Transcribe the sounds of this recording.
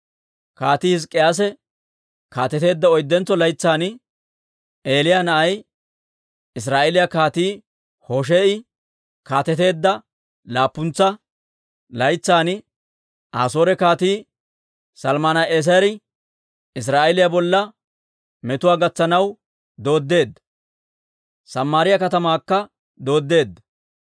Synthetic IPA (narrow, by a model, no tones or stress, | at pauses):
kaːt̪iːhɪs̬kʼːɪjaːs̬ɛ | kaːt̪ɛt̪e̞ːd̪ːɐɔjd̪ːɛnt͡sːɔlɐjt͡sːaːnɪ | ʔeːlɪjanɐʔɐj | ɪs̬ɾaːʔɛlɪjakaːt̪iː | hoʃ̬eːʔɪ | kaːt̪ɛt̪e̞ːd̪ːɐ | laːpːʊnt͡sːɐ | lɐjt͡sːaːnɪ | ʔaːso̞ːɾɛkaːt̪iː | sɐlmaːnɐeːs̬ɐjɐɾɪ | ɪs̬ɾaːʔɛlɪjabɔlːɐ | mɛt̪ʊwaːɡɐt͡sːɐnɐw | d̪o̞ːd̪ːe̞ːd̪ːɐ | sɐmːaːɾɪjɐkɐt̪ɐmaːkːɐ | d̪o̞ːd̪ːe̞ːd̪ːɐ